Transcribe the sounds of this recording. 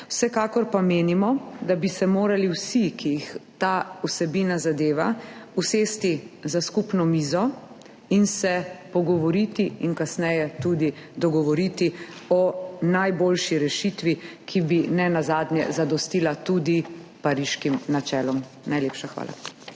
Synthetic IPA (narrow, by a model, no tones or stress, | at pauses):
wsɛkaːkɔɾpameːnimɔd̪abisɛmoːɾaliwsikʰijixt̪aːusɛbinazad̪eːʋauseːst̪izaskupnɔmiːzɔ | insɛpɔɡɔʋɔɾit̪iinkasnɛjɛt̪ud̪id̪ɔɡɔʋɔɾit̪i | ɔnajboːlʃiɾɛʃit̪ʋikʰibinɛnazaːd̪ɲjɛ̰zad̪ɔst̪ilat̪ud̪ipaɾiʃkimnat͡ʃɛːlɔm | najleːpʃaxʋa̰ːla̰